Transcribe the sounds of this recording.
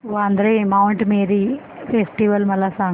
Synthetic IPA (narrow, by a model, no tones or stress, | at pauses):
oɐnd̪ɐɾeːmɐwɳʈmeːɾi | pʰesʈiʋɐlmɐlːasaː